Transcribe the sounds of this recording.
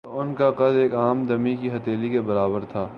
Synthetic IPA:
oʊnkaqɐd̪eːkaːmd̪ɐmikiɦɐt̪eːlikebɐɾaːbəɾt̪ʰaː

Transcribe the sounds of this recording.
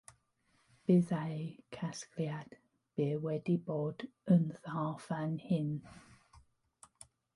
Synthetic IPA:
b̥ɪðajkʰaskljad̥ | b̥ɪːwɛdiboːd̥ənθafanhɪn

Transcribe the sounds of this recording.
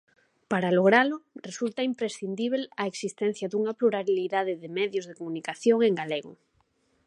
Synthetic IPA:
paɾaloɣ̞ɾalʊresult̪aimpɾesθind̪iβ̞elaeksist̪ɛn̟θjaðuŋapluɾaβiliðaðɪðemɛðjʊzðekomũnikaθjoŋeŋɡaleɣʊ̰

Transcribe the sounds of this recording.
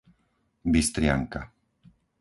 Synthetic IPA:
bist̪ɾɪa̰ŋka

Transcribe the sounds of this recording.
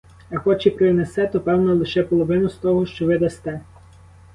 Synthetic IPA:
ɐxɔt͡ʃɪpɾɪnesɛt̪ɔpɛwnɐlˠɪʃɛpɔlˠɔʋɪnʊst̪ɔɦɔʃt͡ʃɔʋɪd̪ɐst̪ɛ

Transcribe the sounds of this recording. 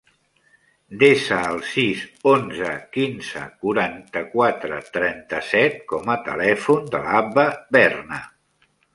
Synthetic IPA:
d̪esəːlˠsizonzəkinzə̰kuɾant̪əkwat̪ɾə̰t̪ɾɛnt̪əsɛt̪̚kɔmət̪ə̰lɛfund̪əlapəbɛrnə

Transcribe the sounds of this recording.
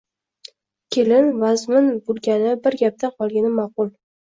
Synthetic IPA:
kʲʰelɪnvazmɪnbʊlˠɡʲanɪbɪɾɡʲap̚t̪ʰanqʰɒlˠɡʲanɪmɑqʊlˠ

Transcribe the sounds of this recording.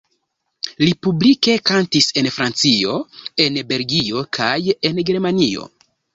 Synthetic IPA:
lipublike̞kantise̞nfɾant͡sio̞e̞nbe̞lɡio̞kʰaje̞nɡe̞ɾmanio̞̰

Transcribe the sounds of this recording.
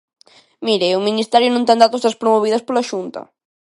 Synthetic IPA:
miɾeuminist̪ɛɾjʊnõnt̪ẽnd̪at̪osðɐspɾomoβ̞iðɐspolɐʃunt̪ɐ̰

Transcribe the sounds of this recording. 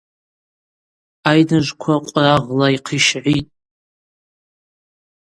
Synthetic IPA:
ajnɨʒʷkʷʰaqʷʼraʁlaiqʰiʃʕʷitʼ

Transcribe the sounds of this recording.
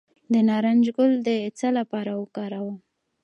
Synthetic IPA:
d̪ənɑɾand͡ʒɡʊld̪ət͡salapɑɾawəkɑɾawa

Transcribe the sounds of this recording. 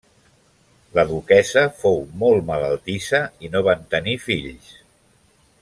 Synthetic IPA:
ləðukɛzəfowmolˠmələlˠt̪isəinoβant̪ənifiʎs

